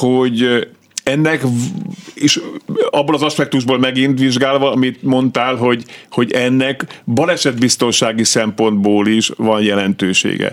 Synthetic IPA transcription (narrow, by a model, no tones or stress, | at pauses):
hoɟ | ɛnːɛk | eːʃɒbːoːlɒzɒʃpɛk̚t̪uʒboːlmɛɡint̪ʋiʒɡaːlvɒɒmit̪mo̞nt̪aːlɦo̞ɟho̞ɟɛnːɛkbɒlɛʃɛd̪bist̪o̞nʃaːɡisɛmpo̞nd̪boːliʃʋɒnjɛlɛnt̪øːʃḛːɡɛ̰